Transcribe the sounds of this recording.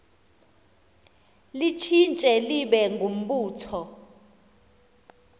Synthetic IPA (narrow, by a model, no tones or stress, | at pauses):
lit͡ʃʰint͡ʃʼɛliɓɛŋɡʱum̩ɓuːtʰɔ